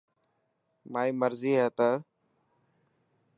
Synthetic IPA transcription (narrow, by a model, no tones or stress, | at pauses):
maːiːməɾziːɦɛːt̪aː